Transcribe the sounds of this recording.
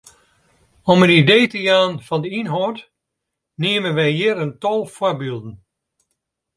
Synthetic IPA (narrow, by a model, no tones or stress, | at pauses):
ɔmənideːtəjaːnfɔndəinɦɔt | neəmənʋɛjɦɪəɾəntɔlˠfʊbiːlˠdn̩